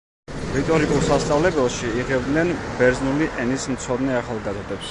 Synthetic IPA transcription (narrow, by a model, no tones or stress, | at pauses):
ɾit̪ʼɔɾikʼulˠsast̪sʼavlɛbɛlˠʃiːʁɛb̚d̪nɛnb̥ɛɾznuliʔɛnismt̪sʰɔd̪nɛaχalˠɡazɔd̪ɛps